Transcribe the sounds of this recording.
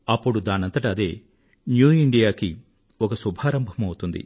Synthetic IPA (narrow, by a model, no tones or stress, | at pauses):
ɐpːuɽud̪aːnɐnt̪ɐʈaːd̪eː | njuːiɳɖijaːki | ɔkɐsubʱaːɾɐmbʱɐmɐwut̪und̪ḭ